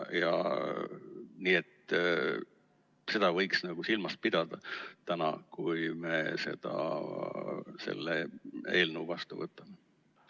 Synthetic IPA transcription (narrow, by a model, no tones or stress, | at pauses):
jɑ̰ | niːet̪ | se̞d̪̥ɑvɤ̞jksnɑɡ̥usilmɑs̚pid̪̥ɑd̪̥ɑt̪ænɑ̰kujme̞se̞d̪̥ɑ̰ | se̞̰lːee̞ːlnəwvɑst̪uvɤt̪ˑːɑme̞